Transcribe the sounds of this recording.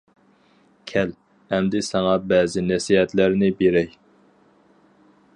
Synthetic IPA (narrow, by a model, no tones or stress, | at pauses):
kʲʰɛl | ɛmd̪ɪsɑŋɑbɛːzɪnɛsiɦɛt̪læɾnɪbeɾɛj